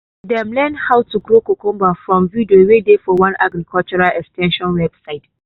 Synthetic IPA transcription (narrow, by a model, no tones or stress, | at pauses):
dɛmlɛndhawtuɡɾokokʊ̃mbafɹɔ̃mvidowedefɔwãnʔaɡɾikʰɔlt͡ʃuɹalʔɛkstɛ̃nʃɔ̃nwɛbsaɪt̚